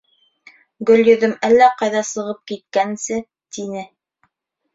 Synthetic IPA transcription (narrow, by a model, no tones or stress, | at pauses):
ɡɵ̆ljɵ̆ðɵmælːæqɑjðɑsɤ̆ʁɤp̚kit̪̚kænsɘ | t̪inɘ